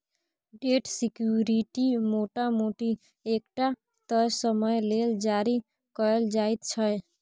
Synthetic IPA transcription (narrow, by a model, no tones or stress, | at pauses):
ɖeʈsikjuɾiʈimoʈamoʈi | ekʈa | t̪ɔjsəməjleld͡ʒaɾi | kɔeld͡ʒajt̪t͡ʃʰʌj